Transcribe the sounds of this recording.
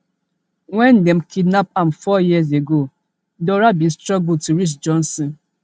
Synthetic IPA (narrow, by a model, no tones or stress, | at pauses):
wɛ̃ndɛm̩kidnapamfɔjizeɡo | dɔɾabĩstɹɔɡultuɹit͡ʃd͡ʒɔ̃nsɔ̃n